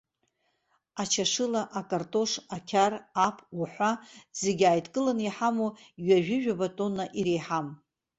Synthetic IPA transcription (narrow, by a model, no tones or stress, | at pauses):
at͡ʃʰaʂɨlaʔakʼartʼo̞ʂakʲʰarapʰuħʷazeɡʲajtʰʼkʼɨlaniħamoɥaʒᶣɪʒᶣabatʼo̞nːaʔiɾejħam